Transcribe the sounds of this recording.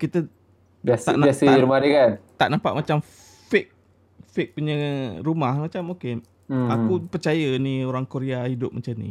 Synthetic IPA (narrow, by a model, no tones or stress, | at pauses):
kit̪ə | basa̰ʔniasəaɾumaɾikant̪aʔnampa̰ʔmat͡ʃam | fɪk̚ | fɪk̚puɲəɾumahmat͡ʃamoke | akupərt͡ʃajənioɾaŋkoɾeahidʊp̚mʔat͡ʃanḭ